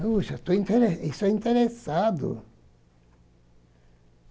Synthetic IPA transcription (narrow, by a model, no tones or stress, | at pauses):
ut͡ʃat̪uɛint̪eɾeisɛint̪eɾesad̪ʊ̰